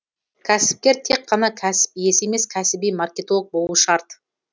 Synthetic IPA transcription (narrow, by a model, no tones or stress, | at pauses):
kʲʰæsɪ̥p̚kʲe̞ɾt̪ʰe̞k̚qʰːɑnɑkʲʰæsɪ̥pje̞se̞me̞skʲʰæsɪbijmarkʲe̞t̪ok̚bo̞lˠuəʃɑɾt̪